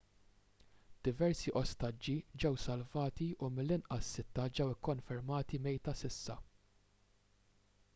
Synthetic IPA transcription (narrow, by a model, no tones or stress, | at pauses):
d̪̥ɪvɛɾsiʔɔst̪ɐd͡ʒːid͡ʒɛwsɐlvɐːt̪iʔumɪlːɪnʔɐsːɪt̪ːɐd͡ʒɛwɪkːɔnfɛɾmɐːt̪imɛjt̪ɐsɪsːɐ